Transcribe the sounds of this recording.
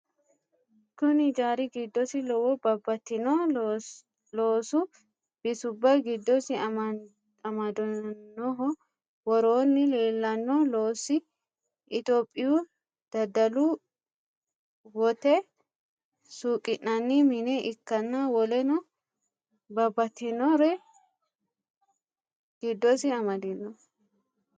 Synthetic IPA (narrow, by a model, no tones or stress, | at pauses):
kʊnɪd͡ʒaːɾɪɡɪd̪ːɔsɪlɔwɔbɐbːɐt̪ːɪnɔː | loːsʊ | b̥ɪsʊbːɐɡɪd̪ːɔsɪ | ɐmɐd̪ɔnːɔɦɔ | wɔɾoːnːɪleːlːɐnːɔloːsɪ | ɪt̪oːpʼːɪju | d̪̥ɐd̪ɐlu | wɔt̪ɛ | suːkʼɪnːɐnːimɪnɛʔɪkːɐnːawɔlɛnɔ | bɐbːɐt̪ːɪnɔɾɛ | ɡ̥ɪd̪ːɔsɪɐmɐd̪ɪnːɔ